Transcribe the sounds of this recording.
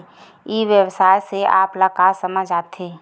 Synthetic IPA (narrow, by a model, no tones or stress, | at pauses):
iʋjəwsaːjseʔa̰ːplakaːsəməd͡ʒaːt̪eː